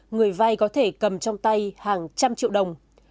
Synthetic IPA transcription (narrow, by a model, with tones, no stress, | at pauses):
ŋɨ˨˩əjva˧jkɔ˨˦t̪ʰe˧˩kə˨˩mt͡ɕɔ˧wŋ͡mt̪a˧jhaː˨˩ŋt͡ɕa˧mt͡ɕḭ˧˨wɗə˨˩wŋ͡m